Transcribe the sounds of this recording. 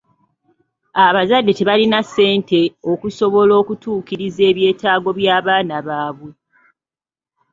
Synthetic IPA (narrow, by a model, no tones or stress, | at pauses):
aβazadːe̞te̞βalinase̞ːnte̞okuso̞βo̞lo̞ːkutuːkiɾize̞ːβje̞ːtaːɡo̞βjaːβaːnaβaːβwe̞